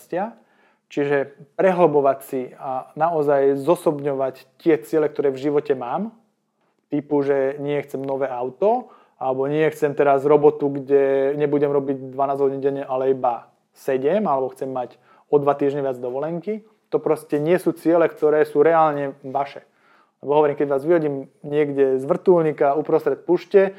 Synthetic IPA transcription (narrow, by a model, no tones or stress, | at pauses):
scɪa | t͡ʃiʒɛpɾɛɦl̩bɔʋacsianaɔzajzɔsɔbɲɔʋact̪ɪɛt͡sɪɛlɛk̚t̪ɔɾɛːvʒiʋɔcɛmaːm | t̪ipuʒɛɲɪɛxt͡sɛmnɔʋɛːaʊt̪ɔ | alɛbɔɲɪɛxt͡sɛmt̪ɛɾazɾɔbɔt̪uɡɟɛɲɛbuɟɛmɾɔbiɟ̚d̪ʋanaːzɦɔɟinɟɛɲɛʔalɛiba | sɛɟɛmalɛbɔxt͡sɛmːac | ɔd̪ʋat̪iːʒɲɛʋɪad͡zd̪ɔʋɔlɛŋki | t̪ɔpɾɔscɛɲɪɛsuːt͡sɪɛlɛkt̪ɔɾɛːsuːɾɛaːlɲɛʋaʃɛ | lɛbɔɦɔʋɔɾiːmkɛɟʋaːzʋiɦɔɟiːmɲɪɛɡɟɛzʋr̩t̪ulɲikaupɾɔst̪ɾɛt̪̚puːʃcɛ